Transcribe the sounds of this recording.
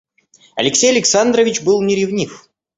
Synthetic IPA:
ɐ̰lʲɪksʲejɐlʲɪksand̪ɾəvʲɪt͡ɕbɨlˠnʲɪɾʲɪvnʲif

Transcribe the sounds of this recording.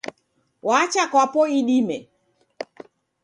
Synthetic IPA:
wat͡ʃakwapɔiɗimɛ̰

